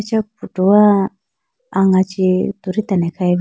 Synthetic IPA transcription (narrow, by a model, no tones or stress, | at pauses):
t͡ʃapuʈuwa | aŋat͡ʃit̪uɾit̪anɛkʰai